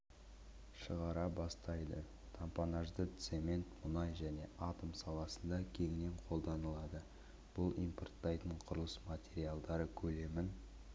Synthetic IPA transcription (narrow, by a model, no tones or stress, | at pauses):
ʃəʁɑɾɑbɑst̪ɑjd̪ə | t̪ʰampɑnɑʒd̪ət̪se̞mʲe̞nt̪mʊnɑjʒæne̞ʔat̪omsɑlˠɑsənd̪ɑkʲʰe̞ŋɪne̞ɴqʰo̞lˠd̪ɑnəlˠɑd̪ə | b̥ʊlˠijmport̪ːɑjt̪əɴqʰʊɾəlˠəsmat̪ʲe̞ɾijalˠd̪ɑɾəkʲʰɵle̞mɪn